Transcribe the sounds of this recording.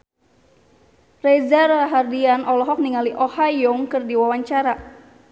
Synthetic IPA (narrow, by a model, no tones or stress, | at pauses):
rɛzaraɦardianʔɔlɔɦɔk̚niŋaliʔɔhajɔŋkɨrdiwawaɲt͡ʃaɾa